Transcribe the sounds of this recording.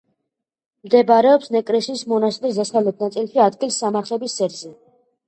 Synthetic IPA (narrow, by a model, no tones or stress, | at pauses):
md̪ɛbaɾɛɔpsnɛkʼɾɛsiːsmɔnast̪ʼɾisd̪asalɛd̪̚nat̪sʼilʃiad̪̚ɡilˠsːamaɾt̪ʰlɛbisɛɾzɛ